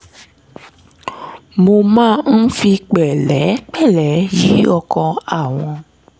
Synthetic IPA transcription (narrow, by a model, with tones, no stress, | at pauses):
mo˧mãː˦˨n̩˦fi˧k͡pɛ˨lɛ˨˦k͡pɛ˦˨lɛ˨˦ji˨˦ɔ˧kɔ̃˧a˨w̃ɔ̃˧